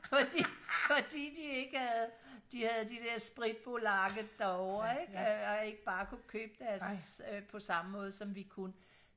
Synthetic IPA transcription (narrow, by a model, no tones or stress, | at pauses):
fɒ̽d̥iːfɒ̽d̥ḭːd̥ie̝ɡ̥hæð̩ˠd̥ihæð̞̩ˠd̥id̥eɐ̰sb̥ʁid̥̚b̥o̝lɑ̈ɡ̥əd̥ɑɒʊ̰ɐeɡɒ̽e̝ɡ̥əb̥ɑ̈ːkʰukʰø̰ːb̥̚d̥æɐspʰɒ̽sɑ̈məmɔ̽ːð̞̩ˠsɒ̽mʋikʰun